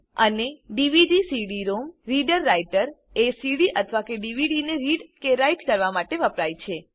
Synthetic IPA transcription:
əneɖiʋiɖisiɽiɾomɾiɖəɾːaiʈəɾ | esiɽiʔət̪ʰəʋakeɖiʋiɖineɾiɖkeɾaiʈkəɾʋamaʈeʋəpɾajt͡ʃʰe

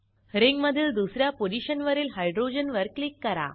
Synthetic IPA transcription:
ɾiŋɡmɐd̪ʱːild̪usɾjapod͡ʑiɕənʋɐɾiːlɦajɖɾoːd͡ʑənʋəɾklikːɐɾa̰

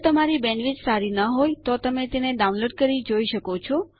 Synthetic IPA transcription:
t̪əmaɾibɛnʋid͡ʒsaɾinəɦojt̪ot̪əmet̪eneɖaũnloɖ̚kəɾid͡ʒoiʃəkot͡ʃʰɔ

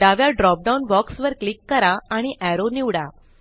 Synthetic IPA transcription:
d̪aʋjaɖɾɔp̚ɖawunbɔksʋəɾklikːəɾaaɽ̃iʔæɾoniʋɽa

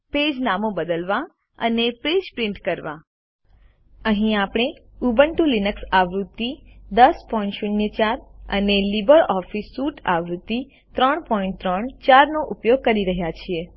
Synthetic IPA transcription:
ped͡ʒnamõbəd̪əlʋã | ə̰nepɾed͡ʒpɾĩɳʈkəɾʋã̰ | əɦĩapɽ̃e | ubəɳʈũlinəksaʋɾut̪ːid̪əspɔiɳʈʃuɳjət͡ʃaɾə̰nelibəɾɔfisːuʈaʋɾut̪ːi | t̪ɾəɳpɔĩɳʈt̪ɾəɳt͡ʃaɾnoʔupjoɡ̚kəɾiɾəɦjat͡ʃʰie

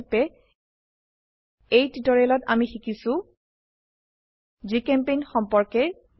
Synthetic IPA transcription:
pɛ | ejtitɔɹɛlɔtamixikisʊ̃ | zikɛmpejnxɔmpɔɹkɛ

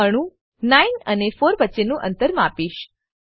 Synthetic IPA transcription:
əɽ̃ũ | nainənefoɾʋətːʃenũʔə̰̃nt̪əɾmapiʃ

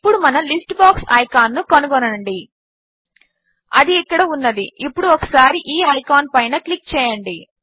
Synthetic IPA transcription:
pːuɽumɐnɐlisʈbaːksɐ̰jkaːnːukɐnuɡɔnɐɳɖi | ɐd̪iːkːɐɽɐunːɐd̪iʔipːuɽuɔkɐ̥saːɾiʔiːɐjkaːnpɐjnɐklik̚ːt͡ʃɛːjɐɳɖi

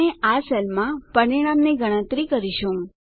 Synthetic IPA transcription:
eʔasɛlmãpəɾiɽ̃amneɡəɽ̃ə̃t̪ɾikəɾiʃũ

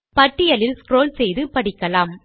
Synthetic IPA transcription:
pɐʈːɪjɐlɪlskɾoːlsɛjðɯpɐɽɪkːɐlaːm

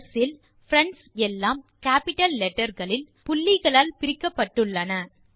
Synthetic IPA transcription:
sɪl | fɾɐɳɖsɛlːaːmkaːpɪʈːɐlːɛʈːɐɾɣɐɭɪl | pʊlːɪɣɐɭaːlpɪɾɪkːɐpːɐʈːɯɭːɐnɐ

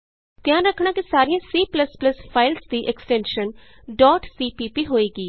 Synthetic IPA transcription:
t̪ɪjãːnɾəkʰːɽ̃ãːkisaːɾiãːsiːpləspləspʰaːɪlsd̪iːʔɛksʈɛ̃ːnʃən | ɖɔːʈsiːpiːpiːɦoːeːɡiː

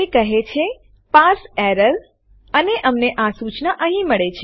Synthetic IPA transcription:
ekəɦet͡ʃʰe | pasɛɾəl | əneʔəmneʔasut͡ʃnaʔəɦĩməɭet͡ʃʰe

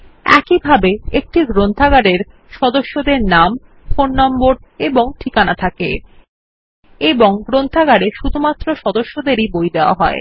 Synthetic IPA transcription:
ɛ̰kibʱabeek̚ʈiɡɾont̪ʰaɡaɽeɾ | ʃɔd̪oʃːod̪eɾnam | fonːɔmboɾeboŋʈʰikanat̪ʰakḛ | eboŋɡɾont̪ʰaɡaɽeʃud̪ʱumat̪ːɾoʃɔd̪oʃːod̪eɾibojd̪eoa̰ɦɔe

